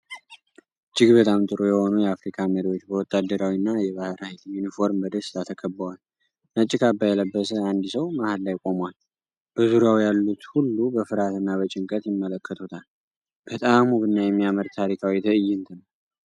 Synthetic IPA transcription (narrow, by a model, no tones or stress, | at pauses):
ɨd͡ʒːɪɡbət̪ʼamt̪ʼɨɾojɛho̞nujɛafɾikʰaməɾiwot͡ʃːbəwɔt̪ʼːad̪ːəɾawinːajɛβahɾailjunifo̞ɾmbəd̪əst̪ʰat̪ʰəkʰəbːəwal | nət͡ʃʼːɪkʰabːajɛləbːəsəand̪ɨsəwmahallːajkʼo̞mwal | b̥əzuɾjawjalːut̪hulːubəfɨɾat̪ɨnːabət͡ʃʼɪŋkʼət̪jɪmːələkʰːət̪ʰut̪ʰal | b̥ət̪ʼamuβɨnːajɛmːijaməɾt̪ʰaɾikʰawit̪ʰɨʔɨjːɪnt̪ʰɨn